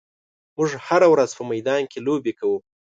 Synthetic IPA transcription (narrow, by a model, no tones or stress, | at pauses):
mʊʐhaɾawɾazpəmajd̪ɑnkʰelobekawu